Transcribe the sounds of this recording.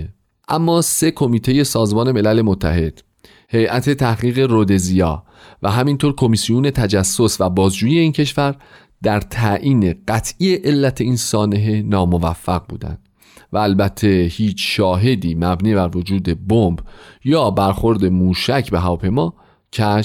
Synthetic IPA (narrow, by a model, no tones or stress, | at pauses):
ʔæmːɒːse̞kʰo̞miːt̪ʰe̞je̞sɒːzmɒːne̞me̞læle̞mot̪ʰːæ̰he̞d̪̥ | he̞jʔæt̪ʰe̞t̪ʰæhɣiːɣe̞ɾod̪e̞zijɒ̰ː | væɦæmint̪ʰoːɾkʰo̞misijuːne̞t̪ʰæd͡ʒæsːo̞svæbɒːzd͡ʒuːjijeiːncʰe̞ʃvæɾ | d̪̥æɾt̪ʰæʔiːne̞ɢæt̪ʰʔije̞ʔelːæt̪ʰe̞iːnsɒːne̞ɦe̞nɒːmo̞væfːæɣbṵːd̪æ̰nd̪̥ | væːlbæt̪ʰːe̞hiːt͡ʃʰʃɒːɦe̞d̪iːmæbniːbæɾvo̞d͡ʒuːd̪e̞bombjɒːbæɾxo̞ɾd̪e̞muːʃæcʰbe̞ɦævɒːpʰejmɒː | cʰæʃ